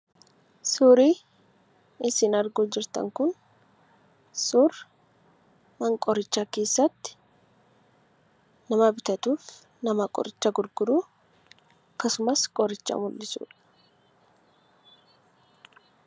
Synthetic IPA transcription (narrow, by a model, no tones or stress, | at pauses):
sʊɾiː | ɪsɪnɐɾɡoːd͡ʒɪɾt̪ɐ̰ŋkʊn | sʊɾ | mɐŋkʼɔɾɪt͡ʃːaːke̞ːsːɐt̪ːɪ̥ | nɐmɐbɪt̪ɐt̪uːf | nɐmɐkʼɔ̰ɾɪt͡ʃːaɡʊɾɡʊd̪uː | kːɐsʊmɐskʼɔɾɪt͡ʃːɐ̰mʊlːɪsṵːᶑɐ̥